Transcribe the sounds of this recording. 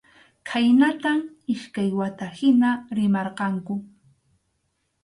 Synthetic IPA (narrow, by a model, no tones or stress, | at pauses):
kʰajnat̪am | ɪʃkajwat̪ahɪnaɾɪmɑɾqɑŋkʊ